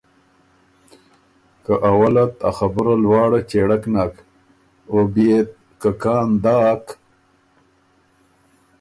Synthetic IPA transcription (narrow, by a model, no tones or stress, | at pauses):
kaʔawalat̪a̰xabəɾalwɑːɽat͡ʃeɽaknak | obiet̪̚ | kakɑːnd̪ɑːk